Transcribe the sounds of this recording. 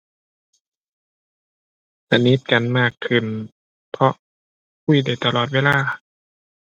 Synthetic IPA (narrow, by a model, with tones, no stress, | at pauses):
sa˧˩ni˦˥˩t̪̚ka˨nmaː˥˩kʰːɯ˧˩n | pʰɔ˧ʔ | kʰu˧˩˨jda˧˩jt̪a˧lɔː˨˩weː˧˥˧laː˧˩